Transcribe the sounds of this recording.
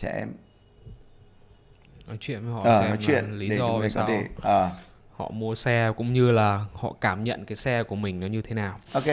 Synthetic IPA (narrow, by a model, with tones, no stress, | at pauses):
t͡ɕɛ˧˩ʔɛ̰˧m | nɔ˨˦t͡ɕwḭ˧˨ən˨˦hɔ˧˨ʔəː˩ɛ˧ɔ˨˦t͡ɕwḭ˧˨ənli˨˦˨zɔ˧a˨˩ɔ˧˦e˧˩ʔəː˨˩ | hɔ̰˧˨mu˧əsɛ˧kʊ̰˧˥ŋ͡mɲɨ˧laː˨˩hɔ̰˧˨kaː˧˩mɲə̰˧˨nkaː˨˦jsɛ˧ku˧˩əmï˨˩ŋ̟nɔ˨˦ɲɨ˧t̪ʰe˨˦naː˨˩wʔo˨˧ke˦